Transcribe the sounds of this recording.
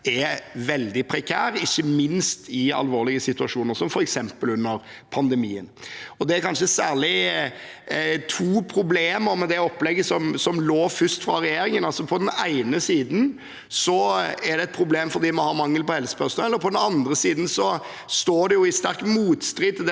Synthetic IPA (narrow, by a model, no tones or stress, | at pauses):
ɛʋɛld̪ɪpʰɾɛkʰæːɾɪçːəmɪnst̪ʰɪɑ̰lʋoːɾlɪɡəsɪt̪ʉɑʂuːnəɾsɔmfɔɾɛksɛmpəlʉnːəɾ | pʰɑnd̪ɛmḭːə̰nɔd̪ɛɾkʰɑnʂəsæːɾlɪ | t̪ʰuːpʰɾʊbleːməɾmɛd̪ɛɔpːlɛɡːəsɔmsɔmloːfʏst̪fɾɑɾɛjeːɾɪŋənɑlsɔpʰɔd̪ɛnæɪnəsiːd̪n̩ | sɔæɾd̪ɛɛt̪̚pʰɾʊbleːmfɔɾd̪iːmɑnhɑɾmɑŋːəlpɔhɛlsə̥pœʁsnɛlːəɾpʰɔd̪ɛnɑnd̪ɾəsiːd̪n̩sɔ | st̪oːɖ̪ɛjʊɪst̪æɾkmuːt̪st̪ɾɪt̪ːd̪ɛ